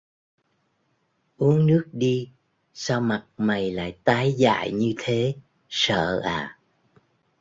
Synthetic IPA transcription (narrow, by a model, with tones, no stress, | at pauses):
ʔu˨˦əŋnɨ˦˥ək̚ɗi˧ | saː˧wma˨˩t̚ma˨˩jla̰ː˧˨jt̪aː˨˦jza̰ː˧˨jɲɨ˧t̪ʰe˨˦ | sə̰ː˧˨ʔaː˨˩